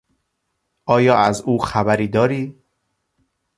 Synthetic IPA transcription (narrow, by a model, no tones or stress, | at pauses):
ʔɒːjɒːæzuːxæbæɾiːd̪ɒːɾiː